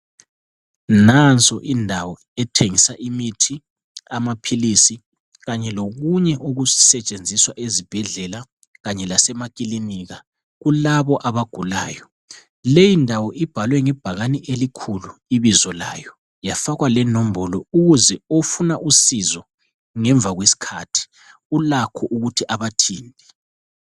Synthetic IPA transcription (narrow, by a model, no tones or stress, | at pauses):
nant͡sʼɔʔindʱawɔ | ɛtʰeŋisaʔimitʰi | amapʰilisi | ɣaɲɛloɣuɲɛʔuɣuzi̥sɛt͡ʃʼend͡zʱiswaʔezib̥ʱɛɮɛla | ɣaɲɛlasɛmakʼiliniɣa | ɣulaβɔʔaβaɡ̥ʱula̰ːjɔ | lejindʱawɔʔib̥ʱalwɛŋɛb̥ʱaɣaniʔelikʰuluiβizɔla̰ːjɔ | jafaɣwalɛnom̩bɔlɔuɣuzɛofunaʔusizɔ | ŋɛɱb̪vʱaɣwesi̥kʰatʰi̥ | ulakʰɔʔuɣutʰiʔaβatʰiːndʱɛ